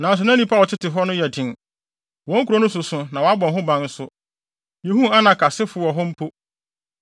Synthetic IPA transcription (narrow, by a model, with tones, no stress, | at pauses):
nã˨n˨s̬ʊ˨nã˦ĩ˦pʰa˦˨t͡ɕʰɪ˦tɪ˨ɦɔ˦nʊ̃˦jɛ˨dɪ̃˨n | wɔ̃˨˦ŋ̩˦kʰu˨ɾo˦nʊ̃˦s̬ʊ˨sʊ̃˨nã˨wɔ˨˦a˦bɔ̃˨nɦʊ̃˦bã˨˦n̩˦sʊ˦ | jẽ˨ɦũ˦a˦nã˨kʰa˨sɪ˦fʊ˨wɔ˨ɦɔ˦m̩˦pʰo˦